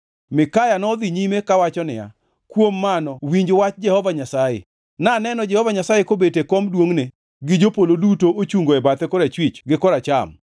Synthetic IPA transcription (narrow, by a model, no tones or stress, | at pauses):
mɪkajanɔd̪iɲimekawat͡ʃɔnɪja̰ | kwomːanɔwiɲd͡ʒwat͡ʃd͡ʒɛhɔvaɲasajḛ | nanɛnɔd͡ʒɛhɔvaɲasajekobetekɔmdwoŋne | ɡɪd͡ʒopolodutoot͡ʃuŋɡoɛbat̪ɛkɔɾat͡ʃwit͡ʃɡɪkɔɾat͡ʃa̰m